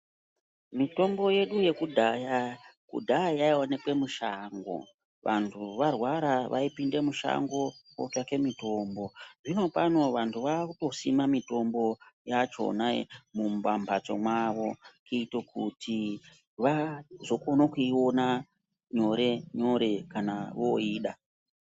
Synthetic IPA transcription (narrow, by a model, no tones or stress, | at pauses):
mito̞mbo̞je̞ɗuje̞kudʱajakṵdʱajaiwanekwe̞muʃaːŋɡo̞̰ | ʋʔa̰ntʰuʋarwaɾaʋʔaipinde̞muʃa̰ŋɡo̞ko̰take̞mito̞ːmbo̞ʐino̞pano̞ʋantʰuʋakuto̞simamito̞mbo̞jat͡ʃo̞̰namumbambʱat͡so̞̰mwaʋo̞kʰiitokutʰi | ʋazo̞ko̞nokuiwo̞na | ɲo̞ɾeɲo̞ɾe̞kanaʋoiːɗa